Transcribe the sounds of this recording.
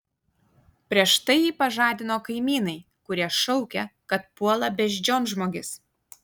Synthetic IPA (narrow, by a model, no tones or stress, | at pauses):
pʲɾʲiɛʃt̪ɐɪjiːpɐʒɑːd̪ʲɪnoːkɐɪmʲiːnɐɪ | kʊɾʲiɛʃɒʊkʲɛkɐt̪̚puɔlˠɐbʲɛʒʲd͡ʒʲoːnʒmoːɡʲɪs